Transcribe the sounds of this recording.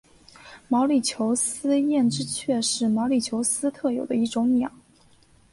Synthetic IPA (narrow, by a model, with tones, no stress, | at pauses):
mɑ˧˥ʊli˨˩t͡ɕʰjo˧˥ʊsɹ̩˥jɛ˥˩nʈ͡ʂɻ̩˥t͡ɕʰɥɛ˥˧ʂɻ̩˥˩mɑ˧˥ʊli˨˩t͡ɕʰjo˧˥ʊsɹ̩˥t̪ʰɤ˥˩jo˨˩ʊd̪ə˦i˥˩ʈ͡ʂʊ˧˥ŋnjɑ˨˩˦ŋ